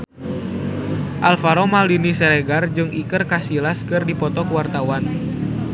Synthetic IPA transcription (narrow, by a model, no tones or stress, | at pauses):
ʔalfaɾomaldinisɛɾɛɡard͡ʒɨŋikɨrkasilaskɨrdipɔt̪ɔkəwart̪awan